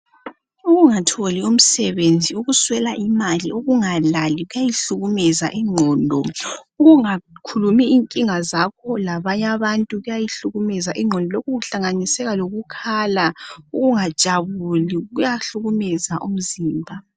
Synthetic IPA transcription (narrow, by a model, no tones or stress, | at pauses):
uɣuŋatʰolium̩sɛβend͡zʱiuɣuswɛlaʔimalioɣuŋalaliɣujajiɬuɣumɛzaʔiŋ͡ǃʱɔːndʱɔuɣuŋakʰulumiiŋkʼiŋazakʰɔlaβaɲaβantʼuɣujajiɬuɣumɛzaʔiŋ͡ǁʱɔndʱɔlokuɣuɬaŋanisɛɣaloɣukʰalauɣuŋad̥ʒ̥ʼʱaβuliɣujaɬuɣumɛzaʔum̩ziːmbʱa